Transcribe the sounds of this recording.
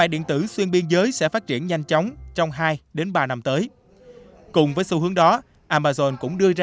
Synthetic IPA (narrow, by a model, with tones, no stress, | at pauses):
va̰ː˧˨ɗḭ˧˨ənt̪ɨ̰˧˩swi˧ənɓi˧nzəː˨˦jsɛ̰˧˥faː˦˥t̚t͡ɕḭ˧˩ənɲa˧jŋ̟t͡ɕɔ˨˦wŋ͡mt͡ɕɔ˧wŋ͡mɦaː˧jɗe˨˦nɓaː˧na˧mt̪əː˨˦j | kʊ˨˩ŋ͡mvəː˨˦jsu˨˧hɨ˨˦əŋɗɔ˨˦ | ʔaː˧maː˧zɔ˧nkʊ̰˧˥ŋ͡mɗɨ˧əza˧